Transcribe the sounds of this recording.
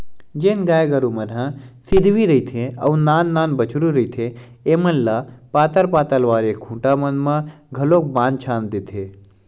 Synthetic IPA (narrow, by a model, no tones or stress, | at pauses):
d͡ʒeːnɡaːjɡəɾumɐnɦãsɪd̪ʱʋiɾəit̪ʰẽɐunaːnːaːnbət͡ʃʰɾuɾəit̪ʰe | eːmənlapaːt̪əɾpaːt̪əlʋaːɾekʰũːʈamənmãɡʱɐlok̚bãːnt͡ʃʰaːnd̪it̪ʰe